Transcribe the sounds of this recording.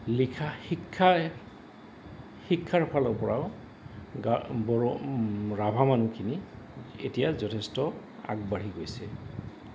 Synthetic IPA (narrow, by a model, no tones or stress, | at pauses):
likʰahikʰːa | hikʰːaɹpʰalɔɹpɔɹaʊ | ɡabɔɔɹabʱamanukʰini | ḛtijazɔtʰɛstɔ | a̰ɡ̚baɹ̤iɡojsɛ